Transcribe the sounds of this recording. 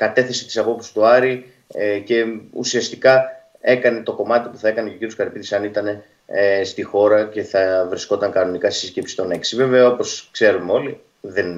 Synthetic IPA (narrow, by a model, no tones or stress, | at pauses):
kɐt̪e̞θesi̥t̪isɐpo̞psi̥st̪uɐɾi | ce̞ṵsiɐst̪ikɐ | e̞kɐne̞t̪o̞ko̞mɐt̪ipuθɐe̞kɐneceociɾjoskɐɾpiðisɐnit̪ɐne̞ | st̪ixo̞ɾɐce̞θɐvɾisko̞t̪ɐŋkɐno̞nikɐtsisiscepsi̥st̪o̞ne̞ksive̞ve̞ɐo̞poskse̞ɾumeo̞li | ðen